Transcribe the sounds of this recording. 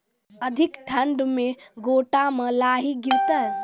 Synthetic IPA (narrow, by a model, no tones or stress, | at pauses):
əd̪ʱikʈʰəɳɖmeɡoʈaməlaɦiɡiɾt̪əj